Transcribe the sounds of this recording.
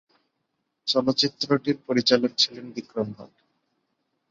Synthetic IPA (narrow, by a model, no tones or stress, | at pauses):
t͡ɕɔlotːt͡ɕit̪ːɾoʈiɾpoɾit͡ɕalok̚t͡ɕʰilenbikɾombʱa̰l